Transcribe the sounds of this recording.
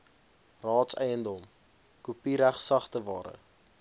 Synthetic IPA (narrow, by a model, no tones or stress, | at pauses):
rɑːtsɛ̰jəndɔm | kupiɾæχsɐχtəvɑːɾə̰